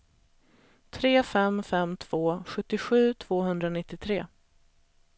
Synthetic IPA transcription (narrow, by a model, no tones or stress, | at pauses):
t̪ʰɾeːfɛmfɛmt̪ʰv̥oːɧɵt̪ːɪɧʉ̟ːt̪ʰv̥oːɦɵnd̪ɾanɪt̪ːɪt̪ʰɾeː